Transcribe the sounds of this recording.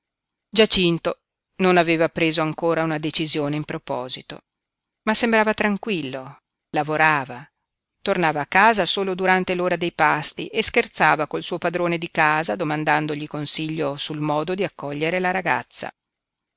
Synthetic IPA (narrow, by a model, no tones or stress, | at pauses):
d͡ʒat͡ʃint̪o | nonaveːvapɾeːzoaŋkoːɾaunad̪et͡ʃizjoːneimpɾopɔ̰ːzit̪o̰ | masːembɾaːvat̪ɾaŋkwilːo | lavoɾaːva | t̪ornaːvaːkːaːzasoːlod̪uɾant̪eloːɾad̪ejpast̪ḭʔeskert̪saːvakolsuːopad̪ɾoːned̪ikaːzad̪omand̪and̪oʎikonsiʎːosulmɔːd̪od̪iakːɔʎːeɾelaɾaɡa̰t̪sːa̰